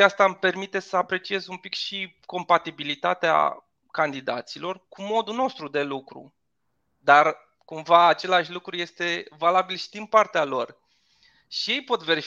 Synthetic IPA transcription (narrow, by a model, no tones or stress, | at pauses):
ast̪ampe̞rmit̪e̞səapɾe̞t͡ʃie̞zumpikʃi | ko̞mpat̪ibilit̪at̪ea̰ | kand̪id̪a̰t̪silo̞rkumo̞d̪uno̞st̪ɾud̪e̞lukɾṵ | d̪ar | kumvaːt͡ʃe̞laʃlukɾuje̞st̪e̞valabilʃi̥d̪inpart̪ealo̞r | ʃije̞jpo̞t̪ve̞ɾif